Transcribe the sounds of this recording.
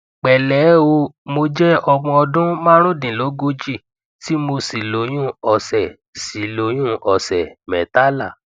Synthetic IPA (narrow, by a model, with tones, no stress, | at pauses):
k͡pɛ˨lɛ˨˦o˧mo˧d͡ʒɛ˦ɔ˧ɡ͡bɔ̃˧ɔ˧dũ˦mã˦ɾ̃ũ˦˨dĩ˨lo˨˦ɡo˦d͡ʒi˦˨ | ti˦mo˧si˨lo˨˦j̃ũ˦ɔ˨sɛ˨ | si˨lo˨˦j̃ũ˦ʔɔ˨sɛ˨mɛ˨ta˦la˦˨